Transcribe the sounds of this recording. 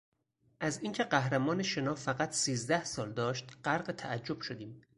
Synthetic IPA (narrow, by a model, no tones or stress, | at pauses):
ʔæziːŋcʰe̞ɢæɦɾæmɒːneʃe̞nɒːfæɣæt̪ʰsiːzd̪æhsɒːld̪ɒːʃt̪ɢ̥æɾɢet̪ʰæʔæd͡ʒːo̞b̥ʃod̪iːm